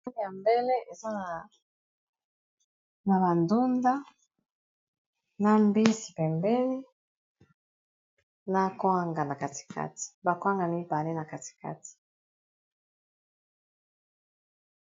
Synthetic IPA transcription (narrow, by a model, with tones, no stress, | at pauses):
ja˨mbe˦le˦e˨za˦ | na˨ba˨ndu˦nda˦ | na˦mbi˦si̥˨pɛ˨mbɛ˦li˦ | na˦kwa˦ŋɡa˨na˨ka˨ti̥˨kʰa̰˦ti̥˨ba˨kwa˦ŋɡa˨mi˦ba˨le˦na˨ka˨ti̥˨ka̰˦ti̥˨